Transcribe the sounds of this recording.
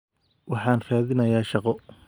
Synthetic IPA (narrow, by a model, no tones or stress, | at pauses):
wɑħɑːnraːðɪnɐjaːʃɑqɔ